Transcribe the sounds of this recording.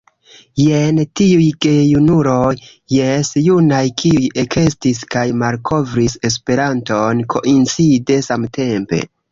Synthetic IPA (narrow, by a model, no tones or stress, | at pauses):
je̞ntiujɡe̞junuɾo̞jː | e̞sjunajkʰiuje̞kʰe̞stiskajmalkʰo̞vɾise̞s̬pe̞ɾanto̞nkʰo̞̰ʔint͡side̞samte̞mpe̞̰